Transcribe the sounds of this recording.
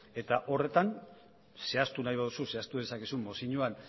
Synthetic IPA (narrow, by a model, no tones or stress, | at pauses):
e̞t̪aʔo̞re̞t̪an | se̞ast̪unajβað̞ususe̞ast̪uðe̞sakesumːosiɲuan